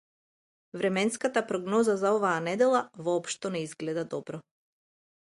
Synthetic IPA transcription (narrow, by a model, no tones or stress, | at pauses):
vɾɛmɛnskat̪apɾɔɡnɔzazaɔvaːnɛd̪ɛlˠavɔːpʃt̪ɔnɛizɡlɛd̪ad̪ɔbɾɔ